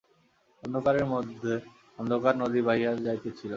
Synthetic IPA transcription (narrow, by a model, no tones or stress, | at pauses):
ɔnd̪ʱokaɾeɾmod̪ʱːe | ɔnd̪ʱokaɾnod̪ibaɦiad͡ʑajt̪et͡ɕʰilo